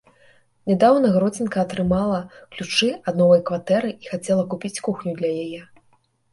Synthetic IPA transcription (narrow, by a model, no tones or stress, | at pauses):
nʲɛd̪awnɐɣɾɔd͡zʲinkɐːt̪ɾɨmalˠɐklʲut͡ʂɨad̪nɔvɐjkvat̪ɛɾɨixat͡sʲɛlˠɐkupʲit͡sʲkuxnʲud̪lʲɐjajɛ